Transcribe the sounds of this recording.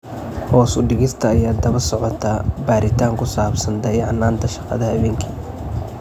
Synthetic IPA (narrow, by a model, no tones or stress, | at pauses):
hɔːsʊɖɪɣɪst̪ʰɐːjaːd̪ɐβɐrsɔʕɔt̪ʰabaːɾɪt̪ʰaːŋkʰʊsaːbsɐnd̪ɐjʕɑnːaːnt̪ʰɐʃɑ̥qɑ̰ðɐhɐβɛːŋkʰiː